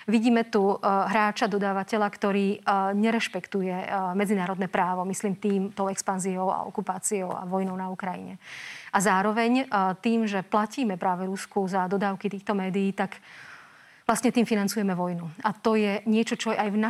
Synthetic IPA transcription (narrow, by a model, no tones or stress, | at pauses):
ʋiɟiːmɛt̪uɦɾaːt͡ʃad̪ɔd̪aːʋacɛʎakt̪ɔɾiːɲɛɾɛʃpɛkt̪ujɛmɛd͡zinaːɾɔd̪nɛːpɾaːʋɔmisliːmt̪iːmt̪ɔʊɛkspanziɔʊa̰ɔ̰kupaːt͡siɔʊa̰ʋɔjnɔʊnaukɾajḭɲɛʔazaːɾɔʋɛɲt̪iːmʒɛplaciːmɛpɾaːʋɛɾuskuzad̪ɔd̪aːʊkit̪iːxt̪ɔmɛːd̪ijiːt̪ak | ʋlastɲɛt̪iːmfinant͡sujɛmɛʋɔjnuat̪ɔjɛɲɪɛt͡ʃɔt͡ʃɔɛajvna